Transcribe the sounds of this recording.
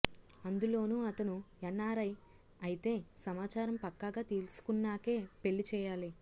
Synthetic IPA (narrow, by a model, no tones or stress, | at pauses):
ɐnd̪ulo̞ːnuːɐt̪ɐnuɛnːaːɾɐj | ɐjit̪e̞ːsɐmaːt͡ʃaːɾɐmpɐkːaːɡaːt̪eːlsu̥kunːaːke̞ːpe̞lːit͡ʃɛːjaːli